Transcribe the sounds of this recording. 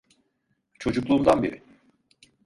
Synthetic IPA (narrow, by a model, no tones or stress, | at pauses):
t͡ʃʰo̞d͡ʒuklˠuːnd̪anbḛɾɪ